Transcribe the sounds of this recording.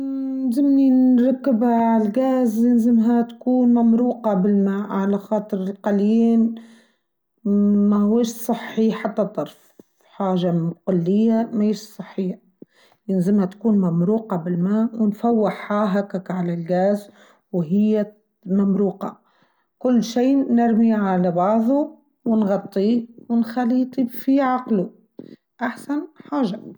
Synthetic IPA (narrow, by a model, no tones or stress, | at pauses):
nzɪmninɾˤɑkːɪbaʕalɡaːzjɪnzɪmɦat̪kuːnmamɾuːqɑbɪlmaːʔʕalaxɑːt̪ˤɨɾɪlqɑljiːn | mahʊweːʃsˤɨħːiħat̪ːat̪ˤːɑɾˤf | ħaːʒaqʊlːɪjːamaeːʃsˤɨħːijːa | jɪnzɪmhat̪kuːnmamɾuːqɑbɪlmaːwɪnfawːɪħːaːɦakakʕalalɡaːz | wɦɪjːa | mamɾuːqɑ | kʊlːʃiːnɪɾmiʕalabɑʕðˤu | wɪnɣɑt̪ˤːiwɪnxaliːt̪ˤifiʕɑqlu | ʔaħsanħaːʒa